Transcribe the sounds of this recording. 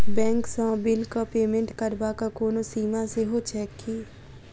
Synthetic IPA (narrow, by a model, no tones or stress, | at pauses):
bɛ̃ːŋksɔ̃ːbɪlkopeːmẽɳʈkəɾbakakoːnosiːmãseɦot͡ʃɛːkːiː